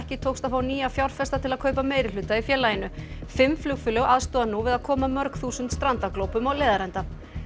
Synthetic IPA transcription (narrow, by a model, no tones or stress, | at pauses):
hcɪt̪ʰowkst̪aðfaːwniːjafjawɾ̥fɛst̪at̪ʰɪlaðkʰœːɥpameːjɾɪlʏːt̪aifjɛːlajɪnʏfɪmːflʏkfʏlœɣaðst̪ɔːðanuvɪðaðkʰɔːmamœɾkθuːsʏnt̪st̪ɾant̪aklowpʏmawleːðaɾɛnt̪a